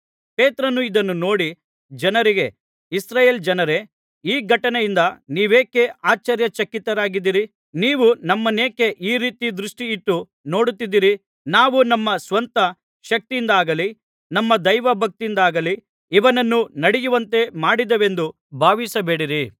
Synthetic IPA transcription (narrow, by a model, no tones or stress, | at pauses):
pe̞ːt̪ɾɐnːuid̪ɐnːuno̞ːɽi | d͡ʒɐnɐɾiɡe̞ | isɾaːjeːld͡ʒɐnɐɾe̞ | iːɡʱɐʈɐnɛjind̪ɐniːʋe̞ːke̞aːt͡ʃɐɾjɐt͡ʃɐkːit̪ɐɾaːɡid̪ːiɾi | niːʋunɐmːɐneːke̞ʔiːɾiːt̪id̪ɾuʂʈiːʈːu | no̞ːɽut̪ːid̪ːiɾi | naːʋunɐmːɐsʋɐnt̪ɐ | ʃɐk̚t̪ijind̪aːɡɐli | nɐmːɐd̪ɐjʋɐbʱɐk̚t̪ind̪aːɡɐli | iʋɐnɐnːunɐɽijuʋɐnt̪e̞maːɽid̪ɐʋe̞nd̪u | bʱaːʋisɐbe̞ːɽiɾi